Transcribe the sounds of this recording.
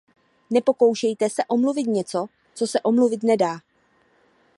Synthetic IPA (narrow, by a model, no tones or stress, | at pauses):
nɛpo̞ko̞wʃɛjt̪ɛsɛʔo̞mluvɪt̪̚ɲɛt͡so̞ | t͡so̞sɛʔo̞mluvɪt̪nɛdaː